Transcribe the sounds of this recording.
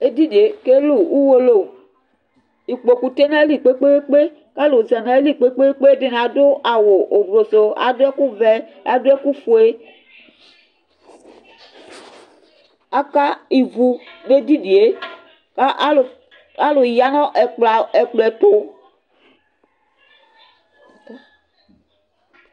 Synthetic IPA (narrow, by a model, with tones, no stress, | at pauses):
e˦d̪i˦di˨e˨ke˦lu˨u˦wo˦lo˦˨ | i˨k͡po˨ku˨t̪e˦nã˦e˦li˨k͡pe˦k͡pe˦we˦k͡pe˦ | ka˦lo˨zɛ˨nã˨˦e˦li˦˨k͡pe˦k͡pe˦we˦k͡pe˦e˦de˦nã˨d̪o˦ʔa˨wo˨ʔo˨ɡlo˨so˨a̰˦do˦e˦ku˦vɛ˦a̰˨do˦e˦ku˦fo˨e˦ | a˦ka˦i˨vu˨ne˦d̪i˦di˨e˦ | ka˦ʔ | a˦lo˨ja˨nɔ̃˦ʔɛ˨k͡pla˨e˨k͡plɛ˨t̪o˦